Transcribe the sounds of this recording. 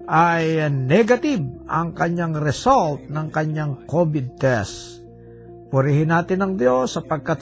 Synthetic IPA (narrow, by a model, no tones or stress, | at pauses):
ʔajnɛɡɐt̪ib̚ʔɐ̰ŋkɐɲaŋɾɛsolt̪̚nɐŋkɐɲaŋkobɪd̪̚t̪ɛs | pʊɾiɦɪnaːt̪ɪnɐŋd̪josːɐpɐɡ̚kat̪̚